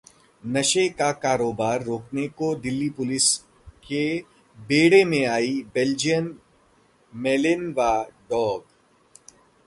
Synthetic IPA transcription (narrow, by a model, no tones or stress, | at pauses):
nɐʃekakaːɾoːbaːɾːoːknekod̪ɪlːipʊlɪs | ke | beːɽemẽaːibɛld͡ʒijən | meːlɪnʋaɖɔːɡ